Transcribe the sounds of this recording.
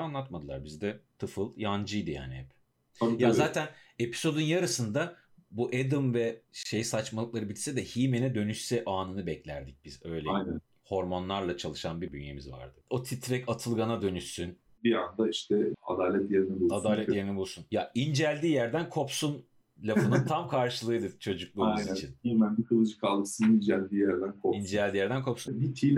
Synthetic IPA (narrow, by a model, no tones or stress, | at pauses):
anlˠat̪mad̪ɯlˠaɾbizd̪ɛt̪ʰɯfɯlˠjand͡ʒɯjd̪ɯja̰ːniɦɛp | ajazaːt̪ʰæn | e̞pʰi̥so̞d̪unjaɾɯsɯnd̪a | buʔed̪ɯmvɛʃejsat͡ʃmalˠɯklˠaɾɯbilʲsɛd̪ɛhimenɛd̪ø̞nyʃsɛʔaːnɯnɯbɛclʲæ̰ɾd̪ic̚b̥izø̞jlʲeajnɛn | ho̞ɾmo̞nlˠaɾlˠat͡ʃʰalˠɯʃanbib̪ynjḛmizva̰ɾd̪ɯ̥ot̪ʰit̪ɾɛkat̪ʰɯlˠɡanad̪ø̞nyʃsyn | biand̪aiʃt̪ʰɛa̰d̪aːlʲɛt̪jeɾinɛbulˠad̪aːlʲɛt̪je̞ɾinɛbulˠsunjaind͡ʒælʲd̪iːjæɾd̪ænkʰo̞psun | lʲafɯnɯnt̪ʰamkʰaɾʃɯlˠɯːjd̪ɯt͡ʃʰo̞d͡ʒuklˠuajnit͡ʃʰinhimænbikʰɯlˠɯd͡ʒɯ̥kʰalˠɡɯsɯnind͡ʒælʲd̪iːjæɾd̪ænkʰoind͡ʒɛlʲd̪iːjæɾd̪ænkʰo̞psubit̪ʰilʲ